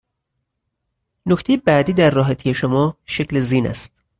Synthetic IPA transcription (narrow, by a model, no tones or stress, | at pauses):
noct̪e̞jebæd̪iːd̪æɾːɒːɦæt̪ʰije̞ʃomɒːʃecʰleziːnæ̰st̪